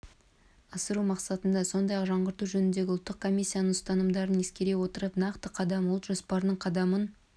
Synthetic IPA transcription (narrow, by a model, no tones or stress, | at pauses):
ɑsəɾumɑqsɑt̪ənd̪ɑso̞nd̪ɑjɑqʒɑɴʁəɾt̪uʒɵnɪnd̪e̞ɡʲɪʊlˠt̪ːəq̚kʰo̞mʲijsʲːijanəɴst̪ɑnəmd̪ɑɾəne̞skʲe̞ɾewo̞t̪əɾəpnɑqt̪əqʰɑd̪ɑmlˠt̪ʒo̞spɑɾd̪əɴqʰɑd̪ɑmən